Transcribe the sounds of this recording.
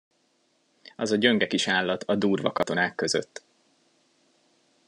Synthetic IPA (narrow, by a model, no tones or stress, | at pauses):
ɒzɒɟø̞ŋɡɛkiʃaːlːɒt̪ʰɒd̪uːrvɒ̰kɒt̪o̞naːkːø̞zø̰t̪ː